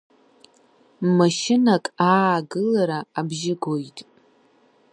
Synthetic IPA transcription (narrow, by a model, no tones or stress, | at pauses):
maʃɪnakʼaːɡɨlaɾaːbʒɪɡojtʼ